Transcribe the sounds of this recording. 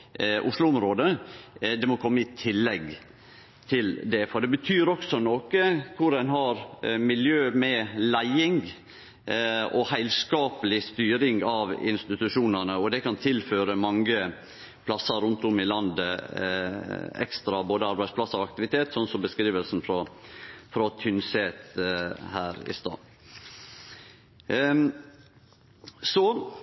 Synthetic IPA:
ʔʊʂlʊʊmɾoːd̪əd̪ɛmɔkʰɔmːəɪt̪ʰɪlːɛɡ | t̪ʰɪld̪ɛfɔɖɛbət̪ʰyːɾɔksɔnoːkəkʰʊɾænɦɑɾmɪljøːmɛlæɪɪŋ | ʔɔhæɪlskɑːpəlɪst̪yːɾɪŋɑʋɪ̰nst̪ɪt̪ʉʂuːnənəɔd̪ɛkɑnt̪ʰɪlføːɾəmɑŋə | pʰlɑsəɾʊnt̪ʊmɪlɑnd̪ə | ɛ̰kst̪ɾɑboːd̪əɑɾbæɪspʰlɑsəɾɔɑk̚t̪ɪʋɪt̪ʰeːt̪sɔnsɔmbəskɾiːʋəlsn̩fɾɔfɾɔt̪ʰʏnseːt̪hæːɾɪ̰st̪ɑ̰ː | sɔ

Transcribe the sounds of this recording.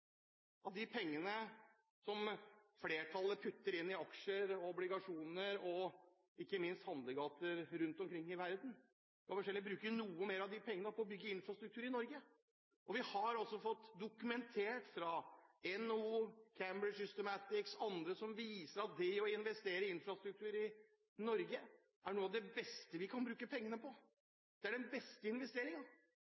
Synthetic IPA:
ʔɑt̪̚d̪ɪpʰɛŋːənə | sɔmfleːʈʰɑlːəpʰʉt̪ːəɾɪnːɪɑkʂəɾɔɔblɪɡɑʂuːnəɾɔ | ɪkːəmɪnst̪hɑnd̪ləɡɑːt̪əɾɾʉnt̪ɔmkʰɾɪŋːɪʋæɾd̪n̩ | kɑfɔʂɛlɪbɾʉːkənuːəmeːɾɑʋd̪ɪpʰɛŋːənəpʰɔːbʏɡːəɪnfɾɑst̪ɾʉk̚t̪ʉːɾɪnɔɾɡə | ʔɔʋɪhɑɾɑlsɔfɔt̪ːd̪ʊkʉmɛnt̪ʰeːʈfɾɑɛnuːkʰæmbɾəsʏst̪əmæt̪ɪksɑnd̪ɾəsɔmʋiːsəɾɑt̪̚d̪ɛɔɪnʋɛst̪eːɾəɪnfɾɑst̪ɾʉk̚t̪ʰʉːɾɪ | nɔɾɡə | ʔæɳuːɑʋd̪ɛbɛst̪əʋɪkʰɑnbɾʉːkəpʰɛŋːənəpʰɔ | d̪̥ɛæɖɛnbɛst̪əɪnʋɛst̪eːɾɪŋən

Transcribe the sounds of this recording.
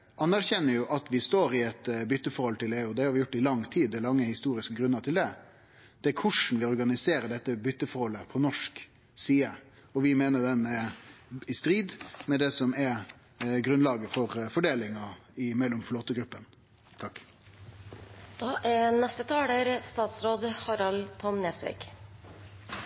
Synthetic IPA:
ɑnːæɾçɛnːəɾjʊʔɑt̪ʋɪst̪oːɾɪɛt̪bʏt̪ːəfɔɾhɔlt̪ʰɪleːʉɔd̪ɛhɑɾʋɪjʊʈːɪlɑŋt̪ʰiːd̪ɛlɑŋːəhɪst̪uːɾɪskəɡɾʉnːəɾt̪ʰɪld̪ɛ | d̪̥ɛækʰʊʂn̩ʋɪɔɾɡɑnɪseːɾəɖɛt̪ːəbʏt̪ːəfɔɾhɔlːəpʰɔnɔʂk | siːə | ɔʋɪmeːnəd̪ɛnɛ | ɪst̪ɾiːd̪mɛd̪ɛsɔmɛɾ | ɡɾʉnlɑːɡəfɔɾfɔɖeːlɪŋɑɪmɛlːɔmfloːt̪əɡɾʉpːən | t̪ʰɑkː | d̪̥ɑːʔænɛst̪ət̪ʰɑːɽəɾst̪ɑːt̪sɾoːd̪hɑɾɑlt̪ʰɔmneːsʋḛɡ

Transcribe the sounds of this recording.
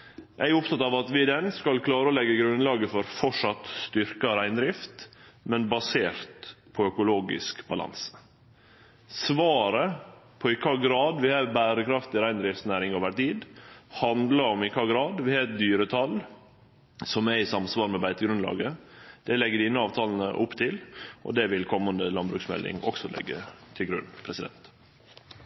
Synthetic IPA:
ʔæɪʊp̚t̪ʰɑt̪ɑʋɑt̪ʋɪd̪ɛnskɑlkʰlɑːɾəɔlɛɡːəɡɾʉnlɑːɡəfɔɾfɔʂɑt̪st̪ʏɾkɑɾæɪnd̪ɾɪft̪mɛnbɑseːɾt̪pʰɔœkʊloːɡɪ̰skbɑlɑ̰nsə̥ | sʋɑːɾəpʰɔɪkʰɑːɡɾɑːd̪ʋɪhɑbæːɾəkʰɾɑft̪ɪɾæɪnd̪ɾɪft̪snæːɾɪŋoːʋəʈiːd̪hɑnd̪ləɾɔmɪkʰɑːɡɾɑːd̪ʋɪhɛːt̪̚d̪yːɾət̪ʰɑl | sɔmɛɾɪsɑmsʋɑːɾmɛbæɪt̪əɡɾʉnlɑ̰ːɡəd̪̥ɛlɛɡːəɖiːnəɑːʋt̪ʰɑːln̩ə̰ʔʊpːt̪ʰɪlʔɔ̰d̪ɛʋɪlkʰɔmːənd̪əlɑnbɾʉ̰ksmɛ̰lːɪ̰ŋɔksɔlɛ̰ɡːə̰t̪ʰɪlɡɾʉnːpʰɾɛsɪd̪ɛ̰nt̪

